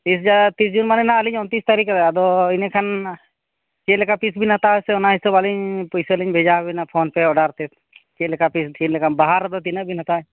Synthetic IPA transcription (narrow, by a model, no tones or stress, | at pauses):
isd͡ʒat̪isd͡ʒunmanenaəliɲɔnt̪ist̪aɾik̪ːd̪ɔinekʰan | t͡ʃelekapisbʱinat̪aɦɔseɔnaɦisɔbaliɲpɔjseliɲbʱed͡ʒaɦbinapʰoːnpeɔɖaɾt̪et̪ | t͡ʃeːlkapistinlekanbaɦaɾd̪ɔt̪inəbʱinat̪aɦɲ